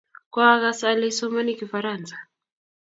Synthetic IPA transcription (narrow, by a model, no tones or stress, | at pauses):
kwaaɣasalɛsɔmanikifaɾansḁ